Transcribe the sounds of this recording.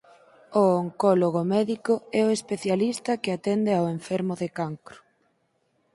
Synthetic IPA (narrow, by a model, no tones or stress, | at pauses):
ooŋkɔloɣomɛðikʊɛʊespeθjalist̪ɐkeat̪ɛnd̪eaweɱfɛɾmʊðekaŋkɾʊ̥